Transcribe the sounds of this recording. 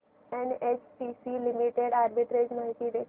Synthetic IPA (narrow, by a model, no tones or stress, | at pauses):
ɛnet͡ʃpisilimiʈeɽaɾbiʈɾed͡ʑməɦit̪iːd̪e